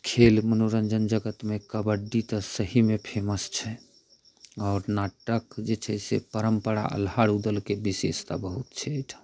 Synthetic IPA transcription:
kʰelmənoɾəɲd͡ʒənd͡ʒəɡət̪mekəbəɖːit̪əsəɦimepʰeməst͡ʃʰɛ | ɔɾnaʈəkd͡ʒet͡ʃʰɛsḛpəɾəmpəɽa̰ʔə̰lɦaɽud̪əlkebisest̪a̰bəɦut̪t͡ʃʰɛʈʰ

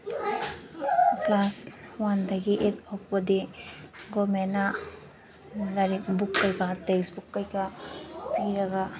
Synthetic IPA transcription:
klaswandɐɡiʔet̚oppɐdiɡomenːa | dɐɾik̚bukːɐjkateksbukːɐjkapiɾɐɡa

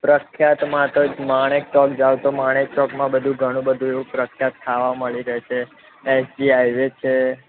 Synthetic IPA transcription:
pɾəkʰjat̪mãt̪omaɽ̃ek̚t͡ʃɔkd͡ʒaʋt̪omaɽ̃ek̚t͡ʃɔkmãbəd̪ʱũɡʱəɽ̃ũbəd̪ʱũeʋũpɾəkʰːjat̪kʰːaʋaməɭiɾəɦt͡ʃʰeː | sɖiajʋet͡ʃʰe

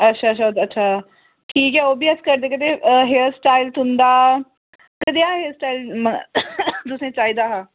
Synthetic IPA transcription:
ətːʃʰaːʃʰaətːʃʰaː | ʈʰiːkɛːoːbiːəskəɾd̪eːkəd̪eːɦeəsʈaːilt̪ʰʊnd̪aː | kəd̪eaːɦeəsʈaːilm | t̪ʊsẽːt͡ʃaːiːd̪aːɦãː

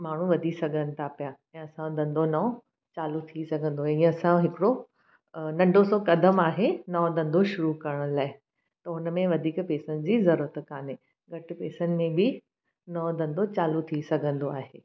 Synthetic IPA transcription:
maːɳ̤ũʋɐd̪ʱisɐɡʱənɪ̆t̪ʰapijaɛ̃ːɐsãd̪ɐ̃nd̪onɐ̃ | t͡ɕaːlut̪ʰisɐɡʱə̃nd̪oĩə̃ɐsãɦɪkɪɽo | nɐ̃ɳɖʱosɔkɐd̪ʱəmaːɦenɐõd̪ɐ̃nd̪oʃʊɾukɐɾəɽ̃ʊlaːɪ | t̪ɐʊnəmẽʋɐd̪ʱiːkpeːsənɪ̆d͡ʑiːzɐɾuɾət̪kaːne | ɡʱɐʈɪ̆peːsənɪ̆mẽbɪ | nɐ̃d̪ɐ̃nd̪ot͡ɕaːlut̪ʰisɐɡʱə̃nd̪oaːɦeː

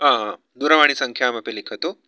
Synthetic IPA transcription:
ɦãɦã | d̪uɾəʋaɽ̃isəŋkʰjamapelekʰət̪o

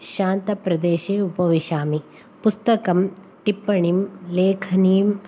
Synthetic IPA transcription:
ʃaːnt̪ɐpɾɐd̪eːʃeːupɐʋiʃaːmi | pust̪ɐkɐm | ʈipːɐɳimleːkʰɐniːm

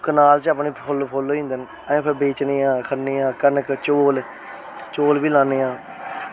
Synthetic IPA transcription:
kənaːlt͡ʃəːpneːolpʰoːloːĩːnd̪ən | əẽːpʰɪɾbeːt͡ʃneːãːkʰəneːãːkənəkt͡ʃoːl | t͡ʃoːlbiːlãːneːãː

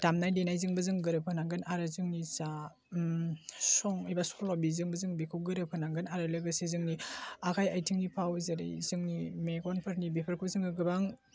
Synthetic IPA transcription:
tamnajdenajzɯŋbɯzɯŋɡɯɾɯpʰɯnaŋɡɯnaɾɯzɯŋnit͡ʃa | sɔŋɯjbasɔlɔbizɯŋbəzɯŋbikʰɯwɡɯɾɯpʰɯnaŋɡɯnaɾɯlɯɡɯsezɯŋniakʰajajtʰiŋnipʰawzɐɾḭjzɯŋnimeɡɔnpʰəɾnibepʰɐɾkʰuzɯŋɯɡɯbaŋ

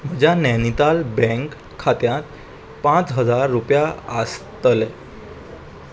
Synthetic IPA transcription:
m̤əd͡ʑjanɛnit̪albɛ̃ŋkʰː | at̪jãt̪ | pãt͡sɦəd͡zaɾːupjaəst̪əlɛ

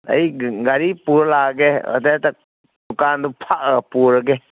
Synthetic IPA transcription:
ɐ̰jɡaɾipuɾlaɡeə̰tetak̚ | dukandupʰaʔ̚əpuɾəɡe

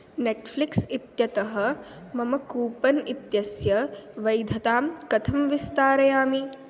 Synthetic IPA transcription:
neʈfʰliksit̪jɐt̪ɐɦɐ̆ | mɐmɐkuːpɐnit̪jɐsjɐʋɐjd̪ʱɐt̪aːmkɐt̪ʰɐmʋist̪aːɾɐjaːmi

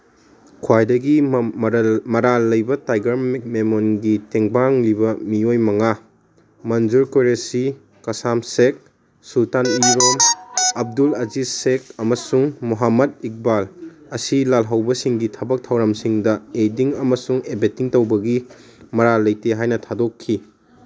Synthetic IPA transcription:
kʰwajdɐɡi | mɐɾalɐjbɐtajɡɐɾik̚memonɡiteŋbaŋlibɐmiojmɐŋa | mɐnd͡ʒuɾkoɾesi | kɐsamsek̚ | sultaniɾomɐb̚dulɐzisek̚ɐmɐsuŋmuɦamɐd̚ik̚bal | ɐsilalɦɐwbɐsiŋɡitʰɐbɐk̚tʰɐwɾamsiŋdɐediŋɐmɐsuŋebetiŋtɐwbɐɡimɐɾalɐjteɦajnɐtʰadokʰːi

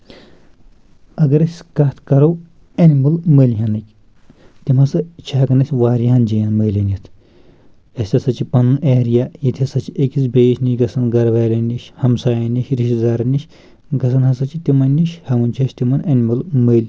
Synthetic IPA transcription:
ɐɡɐɾɐsʲkɐt̪ʰkɐɾɐw | ɐnimɨlməːlʲɦɐnɐkʲ | t̪imɐsɐt͡ʃʰaːkɐnɐsʲʋaːɾijaːnd͡ʒijɐnməːlʲɐnit̪ʰ | ɐsʲt̪ʲɐsɐt͡ʃʰipɐnɨnʔeːɾijaːjit̪ʰiɐsɐt͡ʃʰiekisbeiʃniɡɐsɐnɡɐɾʋaːlʲɐnʲiʃhɐmsaːjɐniʃɾiʃizaːɾɐniʃ | ɡɐsɐnhɐsɐt͡ʃʰit̪imɐnʲːiʃhɐmunʲt͡ʃʰɐʃt̪imɐnɐnʲmɨlməːlʲ

